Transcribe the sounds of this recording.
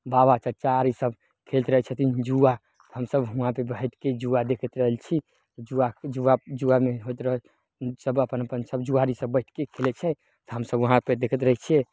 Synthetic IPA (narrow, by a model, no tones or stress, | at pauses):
baβat͡ʃət͡ʃaːɾisəb | kʰelt̪ɾəɦɛt͡ʃʰət̪ind͡ʒua | t̪ɔɦəmsəbɦuɦãpebəɛʈʰked͡ʒuad̪ekʰət̪ɾəɦəlt͡ʃʰi | ɔd͡ʒuad͡ʒuad͡ʒuameɦot̪ɾəɦɛl | səbəpənəpənsəbd͡ʒuaɾisəbːəɪʈʰkekʰelɛt͡ʃʰɛ | t̪ɔɦəmsəbʋəɦãped̪ekʰət̪ɾəɦɛt͡ʃʰiɛ